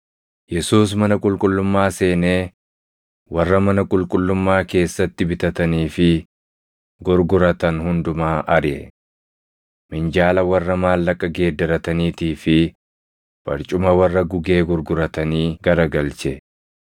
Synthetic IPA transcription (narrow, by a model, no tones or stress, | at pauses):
jɛsuːs̬mɐnɐkʼʊlkʼʊlːʊmːaːse̞ːneː | wɐrːɐmɐnɐkʼʊlkʼʊlːʊmːaːke̞ːsːɐt̪ːɪbɪt̪ɐt̪ɐniːfɪ | ɡʊɾɡʊɾɐt̪ɐnɦʊnd̪ʊmaːʔɐɾʔɛ̰ | mɪnd͡ʒaːlɐwɐrːɐmaːlːɐkʼːɐɡe̞ːd̪ːɐɾɐt̪ɐniːt̪iːfɪ | b̥ɐ̰ɾt͡ʃʼʊmɐwɐrːɐɡʊɡe̞ːɡʊɾɡʊɾɐt̪ɐniːɡɐɾɐɡɐlt͡ʃɛ